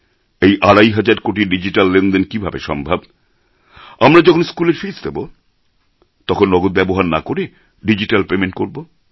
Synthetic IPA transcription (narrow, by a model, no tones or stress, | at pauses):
ejʔaɽajɦad͡ʑaɾkoʈiɖid͡ʑiʈalːend̪enkibʱabeʃɔmbʱab | amɾad͡ʑɔkʰonskuleɾfisd̪ebo | t̪ɔkʰonːɔɡot̪̚bɛboɦaɾna̰koɾe | ɖid͡ʑiʈalpemeɳʈ̚koɾbo